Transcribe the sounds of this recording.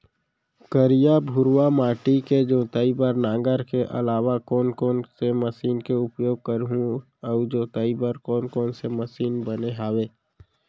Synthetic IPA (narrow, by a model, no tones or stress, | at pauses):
kəɾijabʱʊɾwamaːʈiked͡ʒoːt̪aːibəɾnãːŋɡəɾkeʔə̰laːʋakɔːnkɔːnseməsiːnkeʊpjoːɡ̚kəɾɦũ | əʊd͡ʒoːt̪əibəɾkɔːnkɔːnseməsiːnbəneɦaːweː